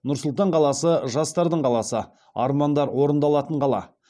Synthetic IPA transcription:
nʊɾsʊlˠt̪ɑɴqʰɑlˠɑsəʒɑst̪ɑɾd̪əɴqʰɑlˠɑsə | ɑ̰ɾmɑnd̪ɑɾwo̞ɾənd̪ɑlˠɑt̪əɴqɑlˠɑ̰

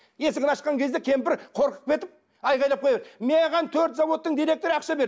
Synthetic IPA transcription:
je̞sɪɡʲɪnɑʃəqɑŋkʲʰe̞zd̪ekʲʰe̞mpɪɾqʰo̞ɾqə̥q̚pʰʲe̞t̪ɪp̚ | ɑjʁɑjlˠɑp̚qʰojɑed̪meʁɑnt̪ʰɵɾt̪zɑwo̞t̪ːəɴd̪ijɾe̞k̚t̪o̞ɾəɑqʃɑbe̞ɾ

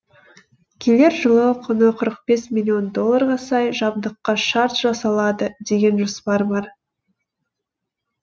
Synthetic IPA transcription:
kʲʰe̞le̞ɾʒəlˠəqʰʊnəqʰəɾəq̚be̞smʲilʲio̞nd̪o̞lˠːɑɾʁɑsɑjʒɑb̚d̪əqːɑʃɑɾt̪ʒ̥ɑsɑlˠɑd̪əd̪e̞ɡʲe̞nʒospɑɾbɑɾ

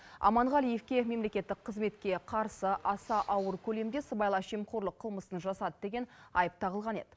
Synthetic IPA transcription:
ɑ̰mɑɴʁɑlijefkʲe̞me̞mle̞kʲe̞t̪ːɪk̚qʰːəzme̞t̪kʲe̞qʰɑɾsəʔɑsɑʔɑwəɾkʲʰɵle̞md̪e̞səbɑjlˠɑʃemqʰo̞ɾlˠəqʰːəlˠməsənʒɑsɑd̪əd̪e̞ɡʲe̞nɑ̰jəp̚t̪ʰɑʁəlˠʁɑne̞d̪ɪ̥

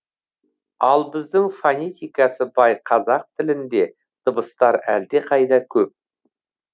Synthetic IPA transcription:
ɑlˠbɪzd̪ɪŋfanʲet̪ʲijkɑsəbɑjqʰɑzɑq̚t̪ʰɪlɪnd̪e̞ | d̪̥əbəst̪ɑɾæ̰ld̪e̞qʰɑjd̪ɑkʲʰɵp̚

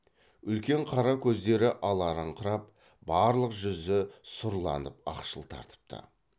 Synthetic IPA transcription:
ʏlkʲe̞ɴqʰɑɾɑkʲʰɵzd̪e̞ɾɪʔɑlˠɑɾəɴqʰəɾɑp̚ | bɑɾlˠəqʒʏzɪsʊɾlˠɑ̰nəp̚ɑ̰qʃəlˠt̪ʰɑ̰ɾt̪ə̥p̚t̪ʰə̰

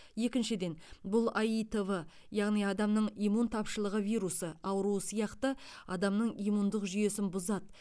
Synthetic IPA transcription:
je̞kʲɪnʃɪd̪e̞nbʊlˠɑjijt̪evə | jɑʁnijɑd̪ɑmnəɴijmunt̪ʰɑpʃəlˠəʁəvijɾusəɑwɾuəsijɑqt̪əɑd̪ɑmnəɴijmund̪əqʒʏje̞sɪnbʊzɑt̪

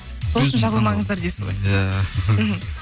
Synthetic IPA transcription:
soəʃənʒɑʁɑmɑɴəzd̪ɑɾd̪esɪ̥zʁo̰jjam̩ɦm̩

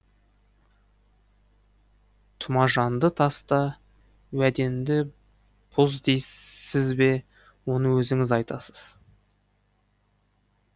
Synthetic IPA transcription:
t̪ʰʊmɑʒɑnd̪ət̪ʰɑst̪ɑ | wæd̪e̞nd̪ɪ | pʰʊzd̪e̞jsɪzbe̞ | wo̞nəwɵzɪŋɪzɑjt̪ɑsə̥z̥

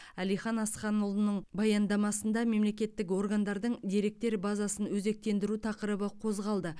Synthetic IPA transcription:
ælijχɑnɑsχɑnʊlˠənəɴbɑjɑnd̪ɑmɑsənd̪ɑme̞mle̞kʲe̞t̪ːɪk̬wo̞rɡand̪ɑɾd̪əɴd̪e̞ɾe̞k̚t̪e̞ɾbɑzɑsənwɵze̞k̚t̪e̞nd̪ɪɾut̪ʰɑqəɾəbəqʰo̞zʁɑlˠd̪ə

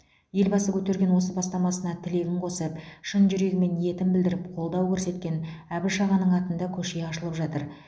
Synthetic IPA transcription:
je̞lbɑsəkʲʰɵt̪e̞ɾɡʲe̞nwo̞s̬əbɑst̪ɑmɑsənɑt̪ʰɪle̞ɡʲɪmqʰo̞səpʃənʒʏɾe̞ɡʲɪme̞nje̞t̪ɪmbɪld̪ɪɾɪpqʰo̞lˠd̪ɑwkʲʰɵɾse̞t̪̚kʲe̞næbɪʃɑʁɑnːəɴɑt̪ənd̪ɑkʲʰɵʃe̞ɑʃəlˠəpʒɑt̪əɾ

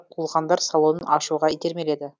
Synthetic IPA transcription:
qʰulˠʁɑnd̪ɑɾsɑlˠonɤnɑʃuʁɑit̪eɾmeled̪ɘ

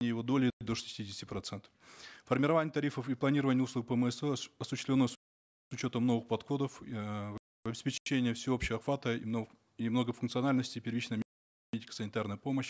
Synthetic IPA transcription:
ɪjjɪvo̞d̪olʲɪɪd̪oʂɨ̥sʲtʲidʲɪsʲtʲɪpɾɐt̪sɛnt̪ə̥ffərmʲɪɾɐvanʲɪjət̪ɐɾʲifəfiplˠɐnʲiɾəvənʲɪjəusˠuɡ̚pəmɛsɛɐsʊɕɪst̪lʲnːo | sʊt͡ɕo̞t̪əmno̞vɨxpɐt̪xo̞d̪əf | vɐbɪspʲɪt͡ɕenʲɪjəfsʲɪo̞pɕɪəɐxvat̪əḭmn | imno̞ɡəfʊnkt̪sɨɐnalʲnəsʲtʲɪpʲɪrvit͡ɕnəjʲ | et̚ʲkə̥sənʲɪt̪arnəjəpo̞məɕ

